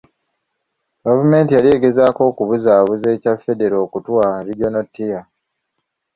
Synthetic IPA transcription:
ɡavume̞ːntijalije̞ːɡe̞zaːko̞ːkuβuzaːβuze̞ːcafːe̞de̞ɾoːkutwaɾiɟonotːija

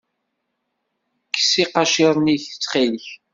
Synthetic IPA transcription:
kːsiqɑʃiɾˤniçt͡sːχilç

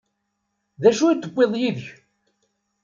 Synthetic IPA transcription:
ðæʃujt̪ːəbːeðˤjiðç

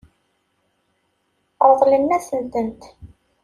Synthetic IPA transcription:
ɾˤðˤlənːæθənt̪ənt̪

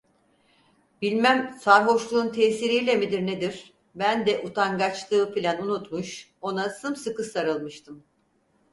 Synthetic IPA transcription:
bilʲmæmsaɾɦo̞ʃlˠuːnt̪ʰɛːsiɾijlʲɛmid̪iɾned̪iɾ̥ | bænd̪ɛʔut̪ʰaŋɡat͡ʃlˠɯːpilʲænunut̪muʃ | o̞nasɯmsɯkɯsaɾɯlˠmɯʃt̪ʰɯm

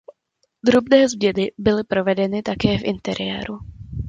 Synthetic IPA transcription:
d̪ɾubnɛːzbjɛdɪbɪlɪpɾo̞vɛdɛnɪt̪akɛːfʔɪnt̪ɛɾɪjɛ̰ːɾu

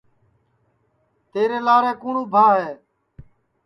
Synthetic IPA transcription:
t̪eːɾeːlaːɾeːkũːɳũːbʱaːɦeː

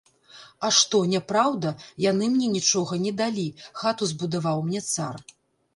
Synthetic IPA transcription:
aʂt̪ɔnʲɛpɾawd̪ɐjanɨmnʲɛnʲit͡ʂɔɣɐnʲɛd̪alʲixat̪uzbud̪avawmnʲɛt̪sar

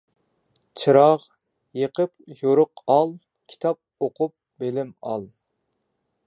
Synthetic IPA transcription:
t͡ʃʰɨɾɑʁ | jəqəpjoɾʊqɑlˠ | kʲʰi̥t̪ʰɑp̚oqʰʊp̚belɪmɑ̰lˠ

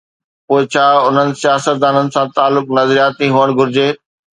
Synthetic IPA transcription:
poːɪt͡ɕʰaːʊn̤ənɪ̆sijaːsət̪̚d̪aːnənɪ̆sãt̪aːlːʊknɐzɾijaːt̪iɦuəɽ̃ɡʱʊɾɪd͡ʑeː

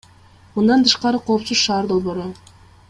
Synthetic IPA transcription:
mund̪ɑnt̪ʰɯʃqɑɾɯqʰo̞ːpsuzʃɑːɾd̪o̞lˠβo̞ɾu

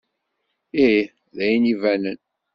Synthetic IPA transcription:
i | ðæjənivænən

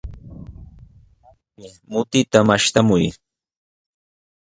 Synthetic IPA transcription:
a | pɪ | mʊt̪ɪt̪amaʃt̪amʊj

